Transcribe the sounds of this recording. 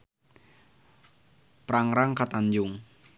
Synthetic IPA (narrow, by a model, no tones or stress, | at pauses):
pɾaŋɾaŋkat̪aɲd͡ʒʊŋ